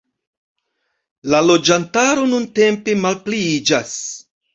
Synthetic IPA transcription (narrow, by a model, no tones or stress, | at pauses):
lalo̞d͡ʒantaɾo̞nunte̞mpe̞malpliid͡ʒas